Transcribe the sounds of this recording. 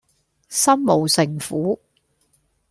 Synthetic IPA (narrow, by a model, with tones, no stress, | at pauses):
sɐ˥mmo˨˩wsɪ˨˩ŋfuː˨˥